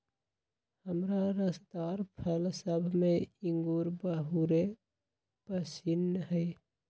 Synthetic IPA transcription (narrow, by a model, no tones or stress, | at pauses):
həmɾaɾəsd̪aɾpʰəlsəbʱmeiŋɡuɾbəɦuɾe | pəsinːɦəɪ